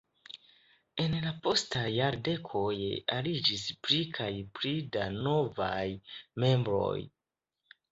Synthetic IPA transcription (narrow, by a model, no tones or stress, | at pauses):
e̞nlapo̞stajaɾde̞kʰo̞jalid͡ʒispɾikʰajpɾidano̞vajme̞mbɾo̞̰j